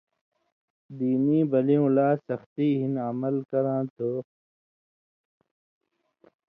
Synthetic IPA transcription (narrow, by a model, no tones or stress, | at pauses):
d̪iːnĩːbɐliũlaːsɐxt̪iːɦinɐmɐlkɐɾãːt̪ʰoː